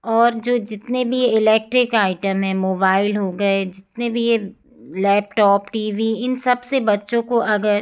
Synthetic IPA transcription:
ɔːɾd͡ʒoːd͡ʒɪt̪nebʱieɪlɛːk̚ʈɾɪkaːɪʈəmɦɛ̃ːmoːbaːɪlɦoɡɐed͡ʒɪt̪nebʱije | lɛːp̚ʈɔːpʈiːʋiɪnsɐbsebɐtːʃõkoʔɐɡəɾ

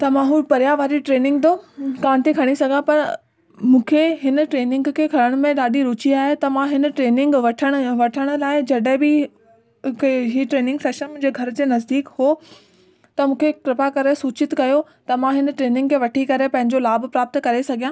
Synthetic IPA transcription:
t̪ɐmãɦũpɐɾjaʋaːɾiʈɾeːnɪ̃ŋɡt̪oːkaːnɪt̪ʰekʰɐɽ̃isɐɡʱãpɐɾ | mũːkʰeɦɪn̆ʈɾeːnɪ̃ŋɡkʰeːkʰɐɾəɽ̃mẽɗaːɗiɾʊːt͡ɕiaːɦet̪ɐmãɦɪnəʈɾeːnɪ̃ŋɡʋɐʈʰəɽ̃ʋɐʈʰəɽ̃ʊ̆laːɪd͡ʑɐɗɦɪ̃bɪ | ɦiːʈɾeːnɪ̃ŋɡseːʃənmʊ̃ɲd͡ʑeːɡʱɐɾt̪eːnɐzd̪iːkhoː | t̪ɐmũːkʰekɾɪpakɐɾesuːt͡ɕɪt̪kɐjo | t̪ɐmãɦɪnʈɾeːnɪ̃ŋɡkʰeʋɐʈʰikɐɾepɐ̃ɦɪ̃ɲd͡ʑolaːbpɾaːp̚t̪kɐɾesɐɡʱijãː

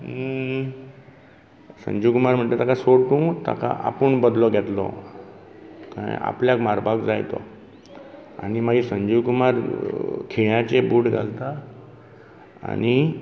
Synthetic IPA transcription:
sə̰ɲd͡ʑukumaɾm̤əɳʈt̪et̪akasoʈũt̪a̰ka̰ʔapəɳbəd̪lɔɡʱɛt̪lɔ̰ | ka̰a̰pljakmaɾbakd͡zajt̪ɔ̰ | a̰nimaɡisəɲd͡ʑukumaɾkʰeɭjat͡ɕebuːɽɡʱa̰lt̪a | a̰ni

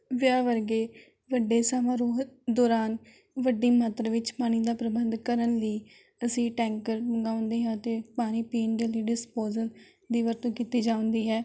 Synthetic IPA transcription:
ʋjaːʋəɾɡeː | ʋəɖeːsamãːɾoːɦd̪ɔːɾaːn | ʋəɖiːmət̪ɾʋɪt͡ʃpaːñiːd̪aːpɾəbənd̪kəɾənləiː | əsĩːʈɛ̃ːŋkəɾməɡaːʊ̃nd̪eːɦãːt̪eːpaːñiːpiːnd̪eːləiːɖɪspoːzəl | d̪iːʋəɾt̪õːkiːt̪iːd͡ʒaːʊ̃nd̪iːɦɛː

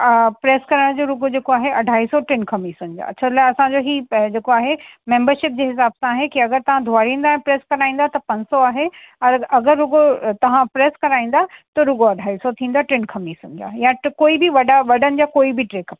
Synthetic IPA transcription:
pɾeːskɐɾəɽ̃d͡ʑoːɾʊɡod͡ʑeːkoaːɦeʔɐɖʱaːisɔʈɾɪnkʰɐmisʊnɪ̆d͡ʑa̰ːɐt͡ɕʰalaːɐsãd͡ʑoɦiːd͡ʑeːkoaːɦemẽːmbəɾʃɪp̚d͡ʑeːɦɪsaːbsãːɦekiɐɡəɾt̪ɐʋ̤ãd̪ʱʊaːɾĩːnd̪aːɛ̃pɾeːskɐɾaːĩnd̪at̪ɐpɐ̃ɲd͡ʑsɔaːɦeɐɾɐɡəɾːʊɡot̪ɐʋ̤ãpɾeːskɐɾaːĩːn̆d̪at̪ɐɾʊɡoɐɖʱaːisɔt̪ʰĩːn̆d̪aʈɾɪnkʰɐmisʊ̃ɲd͡ʑa̰ːjãkoːibiʋɐɖaʋɐɖənɪ̆d͡ʑakoːibʱiʈɾeːkɐp

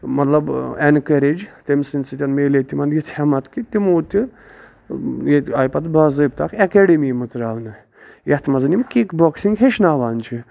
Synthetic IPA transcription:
mɐt̪lɐbenkɐɾed͡ʒt̪ʲemsint͡sɨt̪ʲɐnmeːlet̪imɐnd̪jit͡sʰhɛmɐt̪kit̪imoːt̪ʲi | jeaːjpɐt̪baːzɨb̚t̪akʰɐkeɖemiːmɨt͡sɾaːʋnɨ | jɐht̪ʰmɐzɨnimkikboksiŋɡɦeʃnaːʋaːnt͡ʃʰi

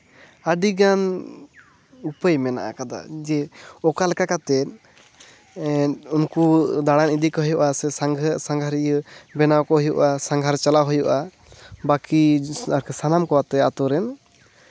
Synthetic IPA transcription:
aɖiɡan | upəjmɛna̰ʔa̰kad̪a̰d͡ʒɛɔkalɛkakat̪ɛt̪̚ | unkud̪aɽanid̪ikɔɦɔjɔʔasɛsaŋɡʱəsaŋɡʱaɾijəbɛnawkɔɦɔjɔ̰ʔasãŋɡʱaɾt͡ʃalaɦɔjɔʔa | bakiaɾkʰɛsanamkɔwat̪ɛat̪ɔɾɛn

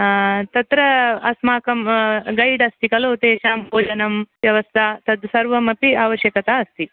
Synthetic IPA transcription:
t̪ɐt̪ɾɐɐsmaːkɐmɡɐjɖɐst̪ʰikɐloːt̪eːʃaːmpoːd͡ʒɐnɐmʋjɐʋɐst̪ʰaːt̪ɐd̪sɐɾʋɐmɐpiaːʋɐʃjɐkɐt̪aːɐst̪ʰi

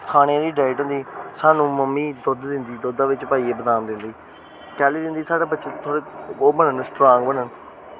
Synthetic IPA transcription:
kʰaːɽ̃ãːɾiːɖaːɪʈɦʊ̃nd̪iːsaːnũːməmːiːd̪od̪d̪ɪnd̪iːd̪oːd̪aːʋɪt͡ʃpaːiːeːbəd̪aːnd̪ɪnd̪iː | kɛːliːd̪ɪ̃nd̪iːsaːɽaːbətːt͡ʃʃẽt̪ʰoːɽeːoːbənənsʈɾãːŋɡbəɳən

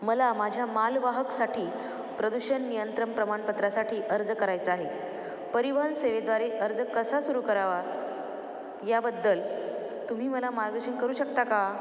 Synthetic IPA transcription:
məlamad͡ʑʱjamalʋaɦəksaʈʰiː | pɾəd̪uɕənːijənt̪ɾəmpɾəmaɳpət̪ɾasaʈʰiːʔəɾd͡zəkəɾajt͡səaɦe | pəɾiʋanseʋed̪ʋaɾeʔəɾd͡zəkəsasuɾuːkəɾaʋa | jabəd̪ːəl | t̪um̤iːməlamaɾɡəɕəɳkəɾuːɕəkt̪aka

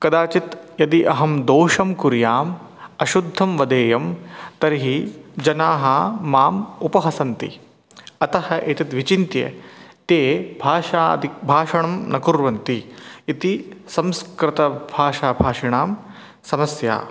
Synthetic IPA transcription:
kɐd̪aːt͡ʃit̪ | jɐd̪iʔɐɦɐmd̪oːʂɐmkuɾjaːm | ɐʃud̪ʱːɐmʋɐd̪eːjɐmt̪ɐɾiɦid͡ʒɐnaːɦɐːaːmupɐɦɐsɐnt̪ḭ | ɐt̪ɐhɐʔeːt̪it̪ʋit͡ʃint̪jḛt̪eːbʱaːʃa̰ːd̪ibʱaːʃɐɳɐmnɐkuɾʋɐnt̪iit̪isɐmskɾɪt̪ɐbʱaːʃaːbʱaːʂiɳaːm | sɐmɐsja̰ː

